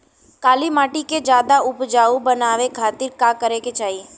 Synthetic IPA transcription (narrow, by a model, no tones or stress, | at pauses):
kaːlimaːʈiked͡ʒjaːd̪aʊpd͡ʒaːubənaːʋekʰaːt̪ɪɾkakəɾeket͡ʃaːɦie